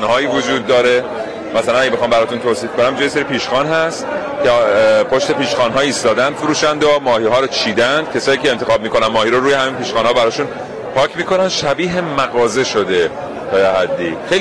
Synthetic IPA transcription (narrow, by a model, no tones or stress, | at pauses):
nhɒːjiːvod͡ʒuːd̪ːɒːɾe | mæsælænæɡɟeexɒːmbæɾɒːt̪unt̪ʰoːsiːfkonæmbd͡ʒɔːjeseɾipiːʃxɒːnɦæst̪ | cʰepʰoʃt̪e̞piːʃxɒːnɦɒːiːst̪ɒːd̪ænd̪fuɾuːʃænd̪omɒːhiːɦɒːɾot͡ʃʰiːd̪ænd̪̥cʰe̞sɒːjiːcʰeːnt̪exɒːb̚miːkonænmɒːhiːɾoɾuːjeɦæminpiːʃxɒːnhɒːbæɾɒːʃun | pʰɒːcʰmiːko̞nænd̪̥ʃæbiːɦemæɣɒːze̞ʃod̪e̞ | t̪ʰɒːjeɦæd̪ːiːxejl